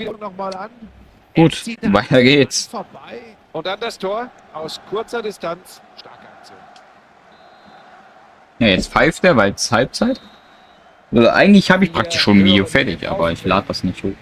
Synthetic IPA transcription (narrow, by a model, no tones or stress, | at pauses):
viːnɔχmaːlan | ɡ̥uːtvaɪtɐɡeːts | ʔʊnt̚d̥and̥astʰoːɐ | ʔaʊskʰʏɐt͡sɐdɪstant͡s | ʃtaɐkat͡su | jajɛt͡stfaɪfd̥eːɐvaɪlshalp̚t͡saɪt | ʔo̰ʔa̰ɪɡŋ̩tlɪçhaːbəɪçpʁ̥ak̚tɪ̥ʃoːnnviːdjofɛɐtɪçʔa̰ːbɐɪçlaːdəd̥asnɪçthoːx